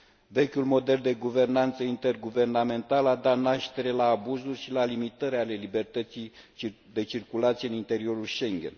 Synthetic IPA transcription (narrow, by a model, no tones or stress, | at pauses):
ve̞kʲulmo̞d̪e̞ld̪e̞ɡuve̞rnant̪səint̪e̞rɡuve̞rname̞nt̪alad̪at̪naʃt̪e̞ɾe̞laːbuzurʲʃilalimit̪əɾeale̞libe̞rt̪ət̪sij | d̪e̞t͡ʃirkulat̪sieɨnint̪e̞ɾio̞ɾulʃe̞ŋɡʲḛn